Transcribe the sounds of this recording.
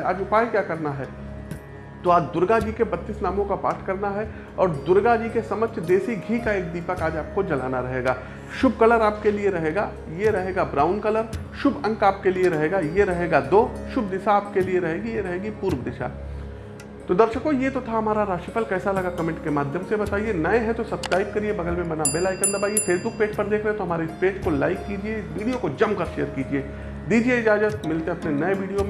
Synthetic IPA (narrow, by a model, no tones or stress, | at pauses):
a̰ːd͡ʒʊpaːikjaːkɐɾnaɦɛː | t̪oaːd͡ʒd̪ʊɾɡad͡ʒiːkebɐt̪ːiːsnaːmõkapa̰ːɾʈʰkɐɾnaɦɛ | ɔːɾd̪ʊɾɡad͡ʒiːkesɐmət͡ʃʰd̪eːsiɡʱikaeːk̚d̪iːpəkaːd͡ʒaːp̚kod͡ʒɐla̰ːnaɾɐɦeːɡaː | ʃʊb̚kɐləɾaːp̚kelieɾɐɦeːɡa | jeɾɐɦeːɡabɾaːʊnkɐləɾ | ʃʊbɐ̃ŋkaːp̚kelieɾɐɦeːɡajeɾɐɦeːɡad̪oːʃʊb̚d̪ɪʃaaːp̚kelieɾɐɦeːɡijeɾɐɦeːɡipuːɾʋd̪ɪʃa̰ | t̪od̪ɐɾʃəkojet̪ot̪ʰaɦɐmaːɾaɾaːʃifʰəlkɛːsalɐɡakɐmẽːɳʈ̚kemaːd̪ʱjəmsebɐt̪aːienɐeɦɛ̃t̪osɐbskɾaːɪb̚kɐɾiebɐɡəlmẽbɐnabelaːɪkːɐɾnd̪abʱaːiefeːsbʊk̚peːd͡ʒpɐɾd̪eːkʰɾɐɦɛ̃t̪oɦɐmaːɾeɪspeːd͡ʒkolaːɪkːiːd͡ʒieɪsʋiːɽijokod͡ʒɐmkɐɾʃejəɾkiːd͡ʒieː | d̪iːd͡ʒieɪd͡ʒaːd͡ʒət̪mɪlt̪ẽɐpnenɐeʋiːɽijomẽ